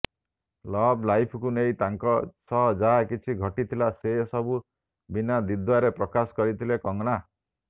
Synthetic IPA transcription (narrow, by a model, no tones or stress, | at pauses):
lɔblajpʰɔkunejt̪aŋkɔsɔɦd͡ʒaɦakit͡ʃʰiɡʱɔʈit̪ʰilasesɔbu | binad̪id̪waɾepɾɔkasɔ̥kɔɾit̪ʰilekɔŋɽ̃a